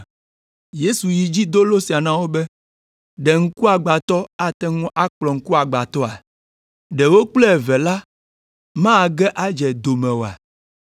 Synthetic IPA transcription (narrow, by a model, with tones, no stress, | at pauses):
je˦su˨ji˨d͡ʑi˦d̪o˦lo˦si˨a˨nã˦wo˦bɛ˦ | ɖɛ˨ŋ̩˦ku˦a˨ɡ͡ba˨t̪ɔ˦a˨t̪ɛ˦ŋũ˦ʔa˦k͡plɔ˨ŋ̩˦ku˦a˨ɡ͡ba˨t̪ɔ˦a˨ | ɖɛ˨wo˦k͡plɛ˦ɛ˨vɛ˨la˦ | mã˦˨ɡɛ˦ʔa˦d͡ʒɛ˨d̪o˨mɛ̃˨wo˨a̰˨